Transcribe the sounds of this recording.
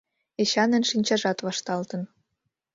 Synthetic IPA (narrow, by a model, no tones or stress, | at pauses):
eɕɑnə̆nʃinʲt͡ɕɑʒɑt̪βɑʃt̪ɑlt̪ə̆n